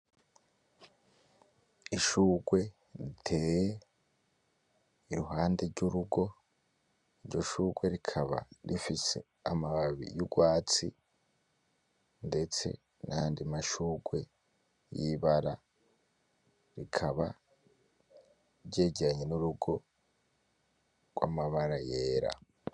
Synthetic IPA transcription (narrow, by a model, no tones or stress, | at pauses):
iʃuːɡwe̞ | ɾitʰe̞ːje | iɾuɦaːnde̞ɾɟuɾuɡo̞ | iɾɟo̞ʃuːɡwe̞ɾikʰaβa̰ɾifise̞̰ | amaβaβḭjuɡwaːt͡sḭ | nde̞t͡se̞̰ | naandimaʃuːɡwe̞ | jiβaɾa | ɾikʰaβa | ɾɟe̞ːɟeɾaɲe̞nuɾuɡo̞ | ɡ̥wa̰maβaɾaje̞ːɾa̰